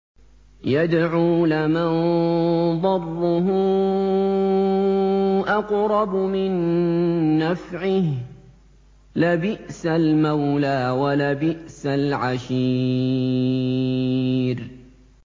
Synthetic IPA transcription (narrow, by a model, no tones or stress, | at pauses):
jad̪ʕuːlaman | d̪ˤɑrˤːʊɦʊ | ʔɑqɾˤɑbmɪnː | afʕɪh | labɪʔsalmawlaːwalabɪʔsalʕaʃiː | ɾ